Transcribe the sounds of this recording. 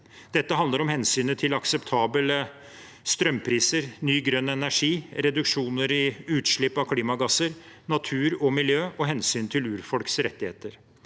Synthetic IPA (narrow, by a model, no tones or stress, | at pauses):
d̪̥ɛt̪ːəɦɑnd̪əɾɔmhɛnsyːnət̪ʰɪlɑksɛpt̪ʰɑːbələ | st̪ɾœmːpʰɾiːsəɾnyːɡɾœnːəɛnæʂiːɾɛd̪ʉkʂuːnəɾɪʉːt̪ʂɭɪpːɑʋkʰliːmɑɡɑsəɾ | nɑt̪ʰʉːɾɔmɪljøːʔɔɦɛnsyːnt̪ʰɪlʉːɾfɔlksɾɛt̪ːɪhḛːt̪əɾ